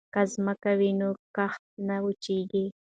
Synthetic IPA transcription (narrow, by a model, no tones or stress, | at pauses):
kazməkawinokaxt̪̚naʊt͡ʃeɡi